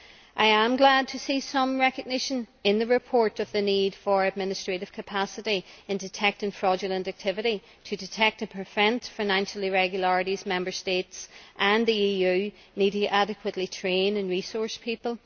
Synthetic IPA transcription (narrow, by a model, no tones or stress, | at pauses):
ʔaɪə̃mɡlad̚tʰəsisʌ̃mɹɛkɨɡ̚nɪʃə̃nɪ̃nðɨɹɪpʰɔɹɾʌvðɨnid̥fə˞ɨd̚mɪ̃nɨstɹ̥eɾɨv̥kʰəpʰasəɾiɨ̃ndɨtʰɛk̚tɪ̃ŋfɹɔd͡ʒəlˠə̃ntak̚tʰɪvɨɾi | ɾʰɨdɨtʰɛk̚tɨ̃npʰɹ̥ɨvɛ̃ntfaɪnãnʃl̩ˠiɹɛɡjl̩ˠəɹɨɾizmɛ̃mbə˞stetsʔə̃nðiijʉ | niɾɪʔaɾɨkʰwətˡlitʰɹ̥ẽnə̃nɹisɔɹspʰipəlˠ